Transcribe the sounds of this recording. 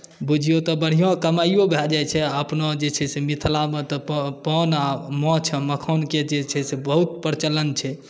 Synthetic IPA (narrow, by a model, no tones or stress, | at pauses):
bud͡ʒʱijot̪ɔbəɽ̤ijõkəmaijobʱɛld͡ʒajt͡ʃʰɛəpnɔd͡ʒet͡ʃʰɛsemit̪ʰlamet̪ɔppɔnamɔ̃t͡ʃʰɛməkʰɔnked͡ʒet͡ʃʰɛsebəɦut̪̚pəɾt͡ʃələnt͡ʃʰɛ